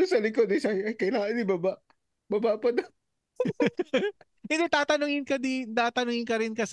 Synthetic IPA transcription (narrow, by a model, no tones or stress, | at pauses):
ʊsɐlɪkod̪ɪsɐɐjkɐɪnaŋɐd̪ibabaʔ | babaʔpɐd̪ɐ | ɪnd̪ɛt̪aːt̪ɐnʊŋɪnkɐd̪int̪aːt̪ɐnʊŋɪnkɐɾɪnkɐs